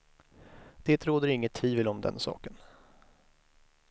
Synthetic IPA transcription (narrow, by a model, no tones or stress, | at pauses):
d̪̥eːt̪ɾoːd̪əɾɪŋːət̪ʰːviːvəlɔmd̪ɛ̰nsɑ̰ːkən